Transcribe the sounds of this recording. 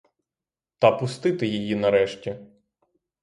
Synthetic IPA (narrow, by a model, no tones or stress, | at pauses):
t̪ɐpʊst̪ɪt̪ɪjijinɐɾɛʃtʲi